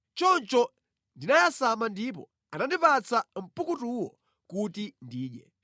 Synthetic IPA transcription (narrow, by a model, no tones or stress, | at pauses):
t͡ʃɔnt͡ʃɔ | ndinajasamandip̬ɔ̰ | anandipat͡sʰam̩pukutuwɔ̰ | kutindiːɗɛ